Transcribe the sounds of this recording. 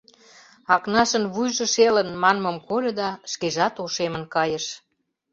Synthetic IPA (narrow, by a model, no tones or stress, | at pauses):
ɑknɑʃə̆nβujʒə̆ʃelənmɑnmə̆mkolʲɤ̆d̪ɑʃkeʒɑt̪oʃemə̆nkɑjə̆ʃ